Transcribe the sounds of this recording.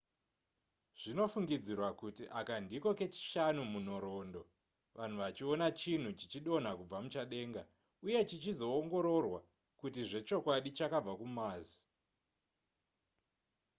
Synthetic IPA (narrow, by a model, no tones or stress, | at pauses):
ʐ̥ino̞fuŋɡid͡zirwakutiʔakandiko̞ke̞t͡ʃi̥ʃanumun̤oɾo̞ːndo̞ | ʋan̤uʋat͡ʃio̞nat͡ʃin̤ut͡ʃit͡ʃiɗo̞n̤akub͡vamut͡ʃaɗe̞ːŋɡa | uje̞t͡ʃit͡ʃizo̞ːŋɡo̞ɾo̞rwa | kut̬iʐe̞t͡ʃo̞kwaɗit͡ʃakab͡vakumaːzi̥